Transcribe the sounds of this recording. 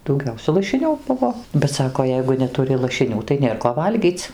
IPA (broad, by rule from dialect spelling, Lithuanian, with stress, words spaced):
dɐʊˈɡʲɛʊsʲɛ lˠɐʃʲɪˈnʲʊ ˈbʊʋoː bʲɛt ˈsɑːkoː ˈjɛɪɡʊ nʲɛtʊˈrʲɪ lˠɐʃʲɪˈnʲuː tɐɪ ˈnʲeːr koː ˈʋɐlʲɡʲiːt͡sʲ